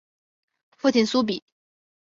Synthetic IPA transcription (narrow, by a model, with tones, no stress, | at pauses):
fu˥˩t̪ʰi˨˩nsu˥p̬i˨˩˦